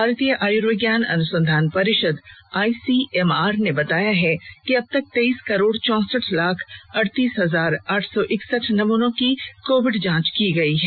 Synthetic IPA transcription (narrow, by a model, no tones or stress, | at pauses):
bʱaːɾt̪ijəʔaːjuɾoɡjaːnɐ̰nʊsə̃nd̪ʱaːnpɐɾɪʃəd̪aːisiːɛmaːɾnebɐt̪aːjaɦɛkiɐb̚t̪ɐk̚t̪eːiːskɐɾoːɽt͡ʃɔ̃ːsəʈʰlaːkʰɐɽt̪iːsɦɐzaːɾaːʈʰsɔʔɪksəʈʰnɐmuːnõkikoːʋɪɖd͡ʒãːt͡ʃkiɡɐiɦɛː